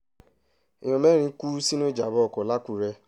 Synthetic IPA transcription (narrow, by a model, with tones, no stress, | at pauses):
i˨j̃ɔ̃˧mɛ˦ɾ̃ĩ˧˦ku˦si˦nũ˦e˦d͡ʒa˨˦bɔ˦ɔ˨kɔ˨la˦ku˦˨ɾɛ˧